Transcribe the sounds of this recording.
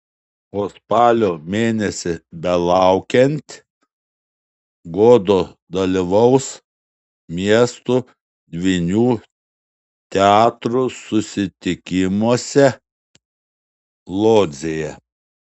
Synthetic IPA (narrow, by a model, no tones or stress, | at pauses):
oːspɑːlʲoːmʲeːnʲɛsʲɪbʲɛlˠɑˑʊkʲɛnʲt̪ʲ | ɡoːd̪oː | d̪ɐlʲiʋɐʊs | mʲiɛst̪u | d̪ʲʋʲinʲuː | t̪ʲɛɑːt̪ɾusʊsʲɪt̪ʲɪkʲɪmuɔsʲɛ | lˠoːd̪zʲejɛ